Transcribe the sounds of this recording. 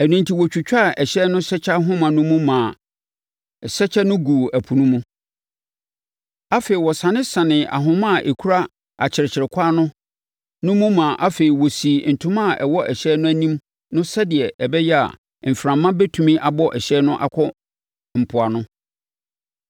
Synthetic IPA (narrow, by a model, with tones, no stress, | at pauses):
æ˨nũ˨ntʰi˨wɔ˨t͡ɕᶣu˨t͡ɕᶣa˦˨ɛ˨ɕɛ˦nʊ̃˦sɛ˦t͡ɕʰa˦ɦʊ̃˦mã˨nʊ̃˦mũ˦mã˨ | sɛ˦t͡ɕʰɛ˦nʊ̃˦ɡu˨ʔæ˨pʰu˨nũ˦mũ˦ | a˦feː˨i˨wɔ˨sã˨nɪ̃˦sã˨nɪ̃˨ʔa̰˨ɦʊ̃˦mã˦˨ʔe˨kʰu˦ɾa˦ | a˨t͡ɕʰɪ˨ɾɪ˨t͡ɕʰɪ˨ɾɪ˨kʷʰa˦nʊ̃˦ | nʊ̃˦mũ˦mã˨ʔa˦fe˨i˨wɔ˨si˨n̩˨tʰʊ̃˦mã˦˨ʔɛ˨wɔ˦ʔɛ˨ɕɛː˦nʊ̃˦æ˦nĩ˦m | nʊ̃˦sɛ˦dɪ˨ɛ˨ʔɛ˨bɛ˦jɛ˦a̰˨ | m̩˨fɾã˨mːã˦bɛ˦tʰũ˨mĩ˦ʔa˨bɔ˦ʔɛ˨ɕɛ˦nʊ̃˦ʔa̰˨kʰɔ˦ | m̩˨pʰʊ˨a˨nʊ̃˦